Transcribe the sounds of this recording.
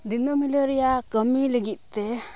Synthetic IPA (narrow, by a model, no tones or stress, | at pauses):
d̪inomiləɾijakəmiləɡit̪̚ˀt̪ɛ